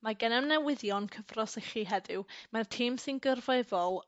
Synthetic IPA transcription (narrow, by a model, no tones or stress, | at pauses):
maɡənɛmnɛwɪðjɔnkʰəvrɔsəχiɦɛdɪwmartʰiːmsɪnɡərvevɔlˠ